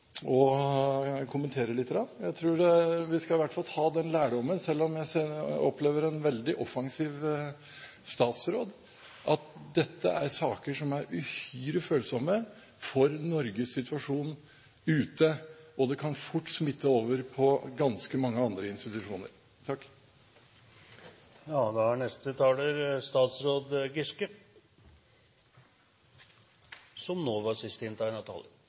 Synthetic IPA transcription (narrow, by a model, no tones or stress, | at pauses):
ɔ | kʰʊmənt̪ʰeːɾəlɪt̪ːɾɑnjæɪt̪ʰɾuːɖɛʋɪskɑʋæʈfɑlhɑːd̪ɛnlæːɖɔmːənsɛlːɔmjæɪsɛɔpleːʋəɾɛnʋɛld̪ɪʔɔfɑŋsiːʋ | st̪ɑːt̪sɾoːd̪ | ʔɑt̪̚d̪ɛt̪ʰːə̰ʔæɾsɑːkəʂɔmæɾʉhyːɾɪføːlsɔmə | fɔɾnɔɾɡəsːɪt̪ʰʋɑʂuːn | ʉːt̪əɔd̪ɛkʰɑnfʊʈːsmɪt̪ːəoːʋəɾpʰɔɡɑnskəmɑŋːəɑnd̪ɾəɪnst̪ɪt̪ʉʂuːnə̰ɾ | t̪ʰɑkː | jɑːd̪ɑhæɳɛst̪ət̪ʰɑːləɾst̪ɑːt̪sɾoːd̪ɡɪskə | sɔmnoːʋɑsɪst̪əɪnt̪ʰɑːɪnɑt̪ʰɑ̰ːlə